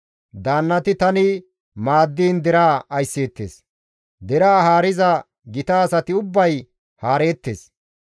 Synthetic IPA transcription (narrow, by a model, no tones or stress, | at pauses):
d̪aːnːɐt̪ɪt̪ɐnɪ | maːd̪ːiːnd̪ɛɾaːɐjsːeːt̪ːḛːs | d̪ɛɾaːɦaːɾɪzɐ | ɡɪt̪aːsɐt̪ɪʊbːɐj | haːɾe̞ːt̪ːeːs